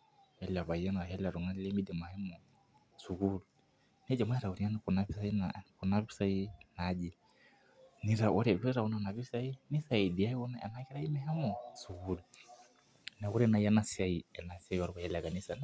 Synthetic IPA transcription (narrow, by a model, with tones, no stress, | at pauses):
jɛ˦li˨a˨βa˨jɛ˦ŋa˨ɦɛ˦li˦a˨ɾu˨ŋa˦n˦lɛ˦mi˦dɛ˨ma˨hɛ˦mɔ˨ | su˨ɡu˦lu˨ | nɛ˦d͡ʒa˨ma˦ɛ˦ɾa˨u˨ɾi˨a˦na˨kɔ˨na˦βi˦sa˦i˦nakɔ˨na˦βi˦sa˦i˦na˨d͡ʒi˨ | ni˦ɾa˨ʔɔ˦ɾɛ˨βɛ˦ɾa˨u˦na˨na˨βi˦sa˦i˦ni˦sa˨i˨di˨a˦i˦ɔ˦na˦ɛ̰˨na˦kɛ˦ɾa˦i˦mɛ˦ɦɛ˦mɔ˨su˨ɡu˦lu˨ | na˨ku˦ɾɛ˦na˨ja˦na˦si˨a˦i˨ɛ˨na˨sa˦i˦wa˦ɾβa˨jɛ˦li˨a˨ɡa˨ni˦sa˨n